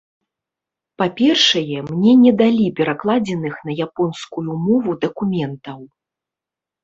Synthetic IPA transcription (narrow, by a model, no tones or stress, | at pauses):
papʲɛrʂɐjɛmnʲɛnʲɛd̪alʲipʲɛɾaklˠad͡zʲɛnɨxnɐjapɔnskujumɔvud̪ɐkumʲɛnt̪ɐw